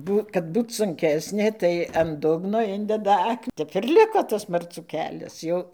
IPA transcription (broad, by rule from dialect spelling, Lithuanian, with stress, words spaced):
ˈbuː kɐt ˈbuːt sʊŋʲˈkʲæːsʲnʲeː tɐɪ ɐn ˈdʊɡnoː ˈɪnʲdʲɛdɐ ˈɐk ˈtʲɛp ɪr ˈlʲɪkoː tɐs mɐrˈt͡suː ˈkʲæːlʲɛs ˈjɛʊ